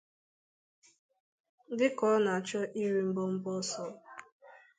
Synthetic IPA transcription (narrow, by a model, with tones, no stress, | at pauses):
dɪ˦kɔ˨˦na˨a˨t͡ʃɔ˦ʔi˦ɾi˦m̩˦bo˦m̩˦bɔ˦sɔ˦